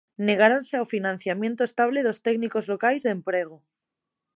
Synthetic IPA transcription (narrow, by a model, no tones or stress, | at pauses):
ne̞ɣ̞aɾanseawfinãnθjamjent̪oest̪aβ̞leðo̞st̪eknikozlo̞kajzðempɾeɣ̞o